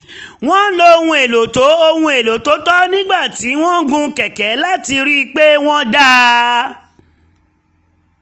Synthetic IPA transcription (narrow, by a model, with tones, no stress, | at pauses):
w̃ɔ̃˦lo˧hũ˧e˨lo˨to˨˦o˧hũ˧e˨lo˨to˨˦tɔ˦nĩ˦ɡ͡ba˦˨ti˨˦w̃ɔ̃˦ɡũ˦˧kɛ˨kɛ˨˦la˦ti˧ɾi˦˧k͡pe˦w̃ɔ̃˦da˦